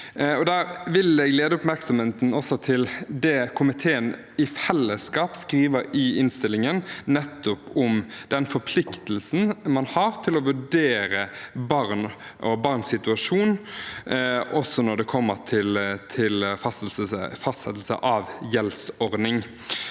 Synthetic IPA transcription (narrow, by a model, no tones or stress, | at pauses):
ɔd̪æːɾʋɪlɛɡleːd̪əʊpmæɾksɔmheːt̪n̩ɔsɔt̪ʰɪld̪ɛːkʰʊmɪt̪ʰeːən | ɪfɛlːəskɑːpskʁiːʋəɾɪɪnst̪ɪlɪŋənnɛt̪ːʊpʊmd̪̥ɛnfɔɾpʰlɪkt̪əlsn̩mɑnhɑːɾt̪ʰɪlɔʋʉɖeːɾəbɑʁn | ʔɔbɑʁnsɪt̪ʉɑʂuːn | ʔɔsɔnɔɖ̪ɛkʰɔmːət̪ʰɪlt̪ʰɪlfɑsəəfɑst̪sɛ̰t̪l̩sə̰ʔɑʋjɛlsɔʁd̪nɪŋ